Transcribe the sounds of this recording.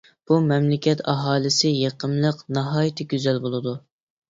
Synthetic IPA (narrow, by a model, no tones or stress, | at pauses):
b̥umɛmlɪkʲʰɛt̪ʰɑɦɑːlˠɨsɪjeqʰəmlˠəqnɑɦɑːjit̪ʰɪɡʲyzɛlbolˠɨd̪u